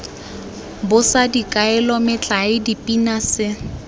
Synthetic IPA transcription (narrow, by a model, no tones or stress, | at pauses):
bʊsadikʼaɛlɔmɪt͡ɬʼaɪdipʼinasɪ